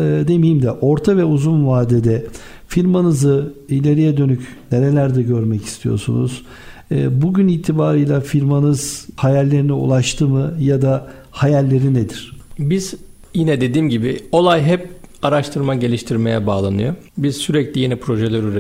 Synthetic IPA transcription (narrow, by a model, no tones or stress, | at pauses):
ɛd̪emijimd̪ɛʔo̞ɾt̪ʰavɛuzunvaːd̪ed̪ɛ | fiɾmanɯzɯilʲe̞ɾijɛd̪ø̞nycneɾe̞lʲæɾd̪ɛɟø̞ɾmɛci̥st̪ʰijo̞̰ɾsṵnṵz̥ | ɯːbuɟyniːt̪ʰibaːɾɯjlˠafiɾmanɯz̥hajalʲːe̞ɾiniṵlˠaʃt̪ʰɯmɯjad̪a | hajalʲːe̞ɾined̪iɾ̥biz̥ | jinɛd̪e̞d̪iːmɟibio̞lˠajɦɛpaɾaʃt̪ʰɯɾmaɟe̞lʲiʃt̪ʰiɾme̞jɛbaːlˠanɯjo̞ | biz̥syɾɛclʲijenipʰɾo̞ʒɛlʲɛɾyɾ